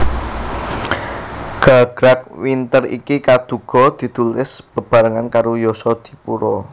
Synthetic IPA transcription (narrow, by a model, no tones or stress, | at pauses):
ɡ̥a̤ɡ̥ɾak̚wint̪ərḭkikad̪̥ṳɡ̥ɔ̤d̪̥i̤t̪ulɪsb̥ə̤b̥a̤ɾəŋankaɾojɔsɔd̪̥i̥̤puɾɔ